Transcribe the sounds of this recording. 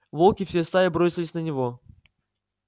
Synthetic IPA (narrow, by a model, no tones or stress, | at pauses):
volˠkʲɪfsʲest̪avʲɪbɾosʲɪlʲɪsʲnənʲɪvo